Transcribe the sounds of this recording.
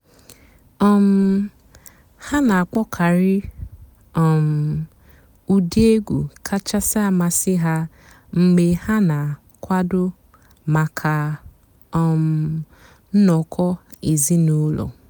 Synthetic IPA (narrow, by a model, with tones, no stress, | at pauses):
ɔ˦m̩˦ | ha˦na˨a˨k͡pɔ˦kʰa˨ɾɪ˦ | ɔ˨m̩˨ | u˦di˦e˦ɡʷṵ˨kʰa˦t͡ʃa˦sa˦a˨ma˨sɪ˦ɦa˦ | ŋ͡m̩˨ɡ͡be˨ha˦na˨ | kʷa˦dʊ˦ | ma˨kʰa˨ | ɔ˨m̩˨˦˨ | n̩˦nɔ˨kʰɔ˦i˨zi˦nu˦lɔ̰˨